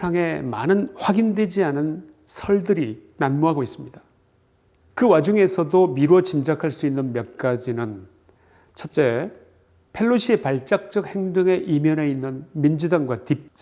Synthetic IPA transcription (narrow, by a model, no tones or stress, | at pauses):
aŋe̞ma̰nɯnɸwaɡindwe̞d͡ʑianɯn | sʰʌɭdɯɾinanmuɦaɡois͈ɯmɲida | kɯwad͡ʑuŋe̞sʰʌdomiɾot͡ɕimd͡ʑakʰaɭs͈uinːɯnmjʌk̚k͈ad͡ʑinɯn | t͡ɕʰʌt̚t͡ɕ͈e̞ | pʰe̞ɭːoɕʰiepaɭt͡ɕ͈ak̚t͡ɕ͈ʌk̚he̞ŋdɯŋe̞ʔimjʌne̞inːɯnmind͡ʑudaŋɡwatip̚